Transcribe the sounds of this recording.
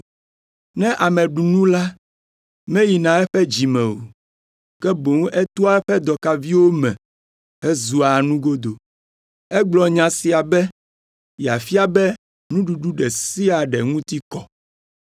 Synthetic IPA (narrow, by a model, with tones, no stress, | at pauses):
nɛ̃˦ʔa˨mɛ̃˨ɖu˨nũ˦la˦ | mɛ̃˦ji˨nã˨ɛ˦ɸɛ˦d͡ʑi˨mɛ̃˨wo̰˨ | kɛ˦bo˨ŋ˦ɛ˦t̪u˦a˦ɛ˦ɸɛ˦d̪ɔ˨ka˨vi˦wo˦mɛ̰̃˨ | ɛ˦zu˨a˨nũ˦ɡo˦d̪o˨ | ɛ˦ɡ͡blɔ˨ɲã˨si˨a˨bɛ˦ | ja˨fi˦a˨bɛ˦ | nũ˦ɖu˨ɖu˦ɖɛ˨si˦a˨ɖɛ˨ŋũ˦t̪i˦kɔ˨